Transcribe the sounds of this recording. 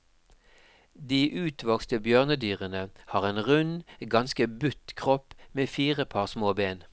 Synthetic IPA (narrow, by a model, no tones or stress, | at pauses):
d̪iːʔʉːt̪ʰʋɔkst̪əbjœʁnəd̪yːʁənəhɑːʁeːnʁʉnɡɑnskəbʉt̪kʰʁɔpmeːfiːʁəpʰɑːʁsmoːbeːn